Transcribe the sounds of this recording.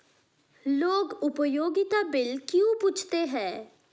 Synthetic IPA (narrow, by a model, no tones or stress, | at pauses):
loːɡʊpəjoːɡɪt̪abɪlkjũpuːt͡ʃʰt̪eɦɛ̃ː